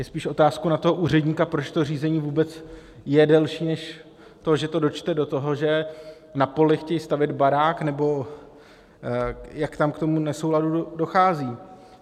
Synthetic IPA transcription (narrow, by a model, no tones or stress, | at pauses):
jɛspiːʃʔo̞t̪aːskownat̪o̞ɦoʔuːr̝ɛdɲiːkapɾo̞t͡ʃt̪or̝iːzɛɲiːvuːbɛt͡sjɛdɛlʃiːnɛʃ | t̪o̞ʒɛt̪o̞do̞t͡ʃt̪ɛdo̞t̪o̞ɦo̞ʒɛ | napo̞lɪxcɛjst̪avɪd̪baɾaːknɛbo̞ | jakt̪amkt̪o̞munɛso̞wladudo̞xaːziː